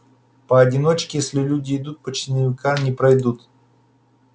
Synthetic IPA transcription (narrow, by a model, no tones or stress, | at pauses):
pəɐdʲɪno̞t͡ɕkʲɪjesʲlʲɪlʲudʲɪːd̪ut̪̚pət͡ɕɪnəvʲɪkamnʲɪpɾɐjd̪ut̪